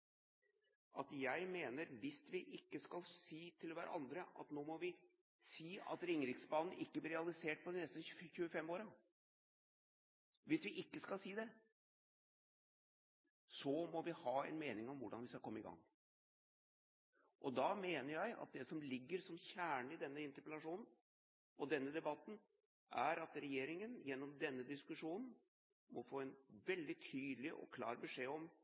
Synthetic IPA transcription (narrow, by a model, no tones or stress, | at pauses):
ʔɑt̪jæɪmeːnəɾʋɪsʋɪʔɪkːəskɑlsiːt̪ʰɪlʋæːɾə̰ʔɑnd̪ɾəʔɑ̰t̪noːmɔʋɪ | siːɑ̰t̪ɾɪŋɾɪksbɑːnn̩ʔɪkːəblɪɾɛɑlɪseːʈ̚pʰɔd̪ɪnɛst̪əçʉːəfɛmoːɾɑ | ʋɪsʋɪʔɪkːəskɑlsiːd̪ɛ | sɔmɔʋɪhɑːɛ̰nmeːnɪŋɔmʋʊɖɑnʋɪskɑkʰɔmːəɪɡɑ̰ŋː | ʔɔd̪ɑmeːnəɾjæɪʔɑ̰t̪̚d̪ɛsɔmlɪɡːəɾsɔmçæːɳɪd̪ɛnːəɪnt̪əɾpəlɑʂuːnn̩ | ʔɔd̪ɛnːəd̪ɛbɑt̪n̩ | ʔæɾɑt̪ɾɛjeːɾɪŋənjɛnːɔmd̪ɛnːəd̪ɪskʉʂuːnn̩ | mɔfoːɛnʋɛld̪ɪt̪ʰyːd̪lɪʔɔ̰kʰlɑ̰ːɾbəʂeːɔm